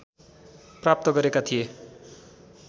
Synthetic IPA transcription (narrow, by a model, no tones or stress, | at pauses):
prap̚t̪ʌɡʌɾekat̪ʰije